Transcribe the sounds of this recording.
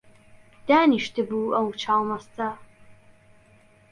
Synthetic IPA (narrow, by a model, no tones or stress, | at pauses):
d̪̥aːniʃtʰɨbuɐwt͡ʃʰaːwmɐstʰɐ